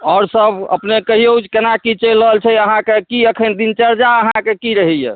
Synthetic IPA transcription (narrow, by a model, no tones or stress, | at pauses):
ɔːɾsəbə̰pnekəɦiowd͡ʒkenakit͡ʃelːəɦəlt͡ʃʰɛəɦãkekiəkʰənd̪int͡ʃəɾd͡ʒaəɦãkekiɾəɦɛjḛ